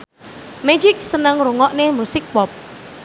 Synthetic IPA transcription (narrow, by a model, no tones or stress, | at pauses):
mɛd͡ʒɪk̚sənəŋɾuŋɔʔnemusɪk̚pɔp̚